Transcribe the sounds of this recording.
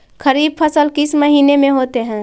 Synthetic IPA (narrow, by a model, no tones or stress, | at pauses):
kʰəɾiːb̚pʰəsəlkɪsməɦiːnemẽɦoːt̪eɦɛ̃ː